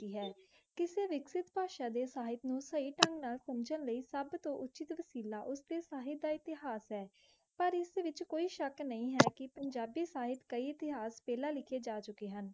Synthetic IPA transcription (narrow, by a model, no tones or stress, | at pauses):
iːɦɛː | kɪseːʋɪksɪt̪paːʃãːd̪eːsaːɦɪt̪nũːsəiːʈə̃ŋɡnaːlkʊmt͡ʃənləiːsəbt̪õːʔʊt͡ʃɪt̪ʋəsiːlaːʔʊsd̪eːsaːɦɪt̪̚d̪aːɪt̪ɪɦaːsɦɛː | pəɾɪsʋɪt͡ʃkoːiːʃəknəĩːɦɛːkɪpəɲd͡ʒaːbiːsaːɦɪt̪kəiːɪt̪ɪɦaːspɛːlãːlɪkʰeːd͡ʒaːt͡ʃʊkeːɦən